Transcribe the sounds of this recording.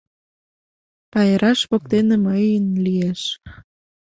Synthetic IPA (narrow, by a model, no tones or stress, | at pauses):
pɑeɾɑʃβok̚t̪eneməjənlieʃ